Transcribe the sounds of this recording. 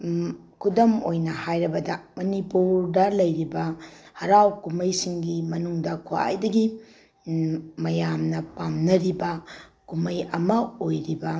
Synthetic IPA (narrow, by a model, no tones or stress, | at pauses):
kʰudɐmojnɐhajɾɐbɐdɐmɐnipuɾdɐlɐjɾibɐhɐɾawkumɐjsiŋɡimɐnuŋdɐkʰua̰jdɐɡi | mɐjamnɐpamnɐɾibɐkumɐjɐmɐojɾibɐ